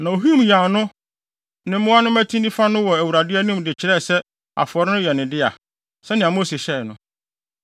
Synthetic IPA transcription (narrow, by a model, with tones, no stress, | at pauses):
nã˨o˨ɦi˦m˨ja˨nʊ̃˦ | nɪ̃˨˦mʊ̃˦a˦nʊ̃˦mæ˦tʰĩ˦nĩ˦fa˦nʊ̃˦wɔ˨æ˨wu˨ɾa˨dɪ˦ɛ˦nʊ̃˦mdɪ˨t͡ɕʰɪ˨ɾɛ˦˨sɛ˦ | a̰˨fʊ˨ɔ˨ɾɪ˦nʊ̃˦jɛ˨nɪ̃˨dɪ˦a˨ | sɛ˦nɪ̃˨ã˨m˦o˦se˨ɕɛ˦˨nʊ̃˦